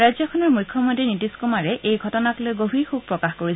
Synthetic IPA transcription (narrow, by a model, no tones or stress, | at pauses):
ɹajzɔkʰɔnɔɹmujkʰːɔmontɹinitiskumaɹɛʔejɡʱɔtɔnaklojɡobʱixub̚pɹɔkaxkoɹi